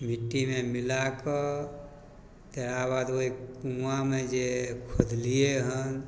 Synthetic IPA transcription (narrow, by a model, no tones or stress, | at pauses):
mɪʈːimẽmɪlakə | t̪eɾaβaːd̪oeuamẽd͡ʒekʰod̪ʱlijeɦən